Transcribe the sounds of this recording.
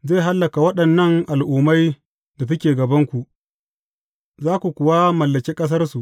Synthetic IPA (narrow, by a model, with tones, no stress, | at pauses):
ze˦˨ɦa˦lːɐ˨ka˨wɐ˦ɗɐ˨nːɐ˦ŋʔa˨lʔuː˨ma˦j | da˨tʊ˦kʲeː˨ɡɐ˨bɐ˦ŋkʷu˨ʔ | zaː˦kʷu˨kʷʊ˨waː˦mɐ˨lːɐ˨kʲeː˦kʼɐ˦s̬ɐ˦rsu˨ʔ